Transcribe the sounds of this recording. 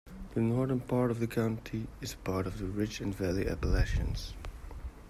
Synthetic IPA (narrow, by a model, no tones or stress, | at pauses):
ðɨnɔɹðə̃˞npʰɑɹɾʌvðɨkʰãʊ̃ntʰiɨz̥pʰɑɹɾʌvðɨɹɪt͡ʃɨ̃nvælˠiʔæ̰pəleʃɨ̰̃nz̥